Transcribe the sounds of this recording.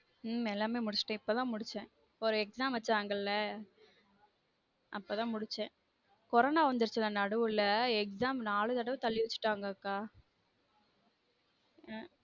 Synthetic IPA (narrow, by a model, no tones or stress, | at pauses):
ɛlːaːmeːmʊɽɪt͡ʃːɪ̥ʈːɛ̃ɪpːoːt̪ãːmʊɽɪt͡ʃːɛ̃ | ɔɾɯɛksaːmʋɐt͡ʃːaːŋɡɐlːɐ | ʔɐpːoːt̪ãːmʊɽɪt͡ʃːɛ̃ | kɔɾoːnaːʋɐnd̪ɯɾɯt͡ʃːɪlːɐnɐɽɯʋɯlːɐɛksaːmnaːɭɯt̪ɐɽɐʋt̪ɐlːɪʋɛt͡ʃːɯ̥ʈːaːŋɡɐːkːaː